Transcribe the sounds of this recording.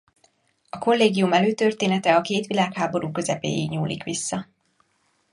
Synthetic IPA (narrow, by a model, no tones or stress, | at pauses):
ɒko̞lːeːɡijumɛløːt̪ø̞rt̪eːnɛt̪ɛɒkeːt̪ʋilaːkhaːbo̞ɾuːkø̞zɛpḛːjiɡɲuːlḭkʋisːɒ